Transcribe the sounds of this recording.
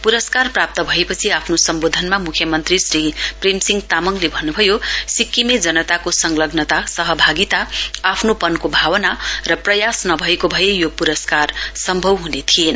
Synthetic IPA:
puɾʌskarprap̚t̪ʌbʱʌepʌt͡sʰiapʰnosʌmbod̪ʱʌnmamukʰjʌmʌnt̪risriprimsiŋɡt̪amʌŋlebʱʌnːubʱʌjosikːimed͡zʌnʌt̪akosʌŋlʌɡnʌt̪asʌɦʌbʱaɡit̪aapʰnopʌnkobʱawʌnarʌprʌjasnʌbʱʌekobʱʌjejopuɾʌskarsʌmbʱʌwɦunet̪ʰien

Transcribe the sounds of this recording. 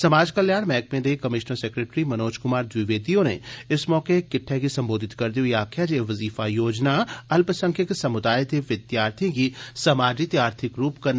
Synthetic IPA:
sɐmaːd͡ʒkɐljaːɾmɛ̃ːk̚mẽd̪ekɐmɪʃnəɾseːkɾeːʈɾimɐnoːd͡ʒkʊmaːɾd̪ʋɪʋeːd̪ijõnḛɪsmɔːkekɪʈʰːɛkisɐ̃mboːd̪ʱɪt̪kɐɾd̪iõjaːkʰjad͡ʒeːʋɐziːfajoːd͡ʒnaɐlpəsɐ̃ŋkʰjəkisɐmʊd̪aːjed̪eʋɪd̪jaːɾt̪ʰikisɐmaːd͡ʒit̪aːɾt̪ʰɪkɾuːpkɐɾ

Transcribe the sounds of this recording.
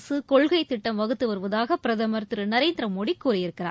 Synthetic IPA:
sɯkɔɭɣɐɪt̪ːɪʈːɐmʋɐɣɯt̪ːɯʋɐɾɯʋɐðaːɣɐpɪɾɐðɐmɐɾt̪ɾɯnɐɾeːnd̪ɾɐmɔɽikːuːɾɪjɪɾɯkːɪɾa̰ː

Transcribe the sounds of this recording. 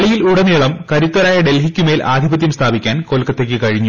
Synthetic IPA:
ɭijiluɽɐniɭɐmkɐɾut̪ːɐɾaːjɐɖe̞lɦikʲːumeːlʔaːd̪ʱibɐt̪̬jɐmst̪ʰaːbikʲːaːnko̞ːlkɐt̪ːekʲːɨkɐɻiɲːu

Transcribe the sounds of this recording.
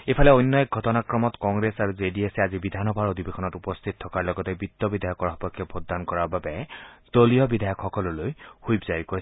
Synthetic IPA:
epʰalɛojnːɔɡʱɔtɔnakɹɔmɔtkɔŋɡɹesaɹuzediesɛazibid̪ʱanɔbʱaɹodʱibekʰɔnɔtupɔst̪ʰit̚tʰɔkaɹlɔɡɔtɛbitːɔbidʱajɔkːɔɹaɦɔpɔkʰːɔbʰʱodankɔɹaɹbabɛd̥olijɔbidʱajɔkxɔkɔlɔlojhujbzaɹikoɹs

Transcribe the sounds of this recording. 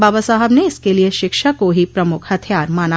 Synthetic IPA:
baːbasaːɦəbneɪskelieʃɪkʃakoɦipɾɐmʊkʰhɐt̪ʰjaːɾmaːna

